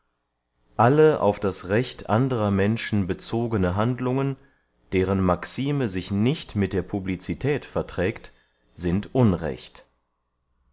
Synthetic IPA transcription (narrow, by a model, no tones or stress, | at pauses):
ʔaləʔa̰ʊfd̥asʁɛçtʔa̰ndəʁɐmɛnʃn̩bət͡soːɡənəɦandlʊŋən | d̥eːʁənmaksiːməzɪçnɪçtmɪt̚d̥eːɐpʰublit͡sitʰɛːtfɛɐtʁ̥ɛːkt | z̥ɪntʔʊnʁɛ̰çt